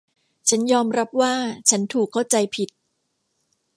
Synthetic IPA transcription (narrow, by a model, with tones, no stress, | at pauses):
t͡ɕʰa˦˥njɔː˧mɾa˦˥p̚waː˥˩t͡ɕʰa˦˥nt̪ʰuː˨˩kʰːa˥˩wt͡ɕa˧jpʰi˨˩t̪̚